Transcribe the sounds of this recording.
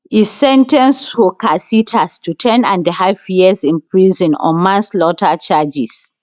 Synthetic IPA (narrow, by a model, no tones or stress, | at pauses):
isɛ̃ntɛ̃nsfɔkasitʰastutʰɛ̃nãndəhafjizĩnpɹizɔ̃nɔ̰mãnslɔtat͡ʃad͡ʒis